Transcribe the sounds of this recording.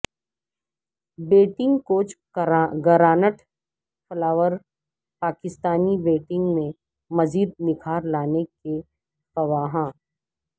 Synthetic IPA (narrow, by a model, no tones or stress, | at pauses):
beːʈɪ̃ŋɡkoːt͡ʃ | ɡɐɾaːnəʈ | flaːʋəɾ | paːkɪst̪aːnibeːʈɪ̃ŋɡmẽ | mɐziːd̪̚nɪkʰaːɾlaːneke | fɐʋaːɦãː